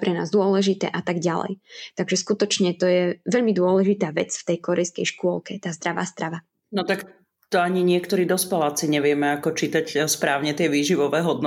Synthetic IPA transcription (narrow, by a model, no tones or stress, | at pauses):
pɾɛna̰ːzd̪ʊɔlɛʒit̪ɛ̰ːʔat̪aɡɟalɛ̰jt̪aɡʒɛskut̪ɔt͡ʃɲɛt̪ɔjɛʋɛʎmid̪ʊɔlɛʒit̪aːʋɛt͡sft̪ɛjkɔɾɛjskɛ̰jʃkʊɔlkɛt̪aːzd̪ɾaʋa̰ːzd̪ɾaʋa | nɔt̪ak | t̪ɔaɲiɲɪɛkt̪ɔɾiːd̪ɔspɛlasiɲɛʋɪɛmɛakɔt͡ʃiːt̪acspɾaːʊɲɛt̪ɪɛʋiːʒiʋɔʋɛːɦɔd̪nɔ